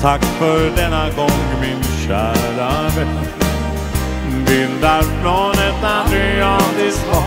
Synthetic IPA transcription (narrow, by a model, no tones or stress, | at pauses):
t̪ʰakːfœɾɖɛnːaɡɔŋmɪnɕæːɭaɾ | vɪld̪æɾfɾonɛt̪ːad̪yld̪ɪs